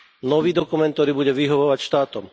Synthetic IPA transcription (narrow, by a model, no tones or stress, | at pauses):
nɔʋiːd̪ɔkumɛnt̪t̪ɔɾiːbuɟɛʋiɦɔʋɔʋacʃt̪aːt̪ɔm